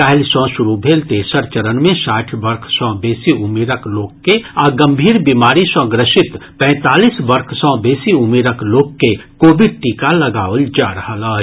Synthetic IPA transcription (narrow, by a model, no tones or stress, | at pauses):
pɛɦlsɔ̃sʊɾubʱeːlt̪eːsəɾt͡ʃəɾənmẽsaːʈʰbɐɾkʰsɔ̃beːsiʊmeːɾəkloːɡkeaɡə̃mbʱiːɾbimaːɾisə̃ɡɾəʃɪt̪pɛ̃ːt̪aːliːsbəɾkʰsɔ̃beːsiʊmeːɾəkloːkːekoːbɪɖ̚ʈiːkalɐɡaːəld͡ʒaːɾəɦəlaː